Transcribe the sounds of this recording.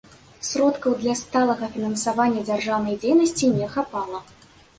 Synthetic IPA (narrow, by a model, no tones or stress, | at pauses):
sɾɔt̪kɐwd̪lʲɐst̪alˠɐɣɐfʲinɐnsavanʲːɐd͡zʲarʐawnɐjd͡zʲejnɐsʲt͡sʲinʲɛxapalˠɐ